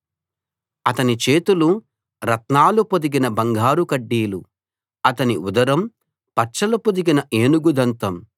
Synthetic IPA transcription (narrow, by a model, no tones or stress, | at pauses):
ɐt̪ɐnit͡ʃeːt̪ulu | ɾɐt̪naːlupod̪iɡinɐbɐŋɡʱaːɾukɐɖːiːlṵ | ɐt̪ɐniud̪ɐɾɐm | pɐʈt͡ʃɐlupod̪iɡinɐʔeːnuɡud̪ʱɐnt̪ɐm